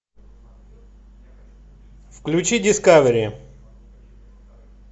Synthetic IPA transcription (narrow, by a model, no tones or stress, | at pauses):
fklʲʉt͡ɕidʲɪskavɾʲɪɪ